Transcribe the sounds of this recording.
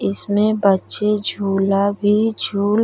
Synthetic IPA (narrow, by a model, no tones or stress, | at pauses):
ɪsmẽbətːʃed͡ʒʱuːlabʱid͡ʒʱuːl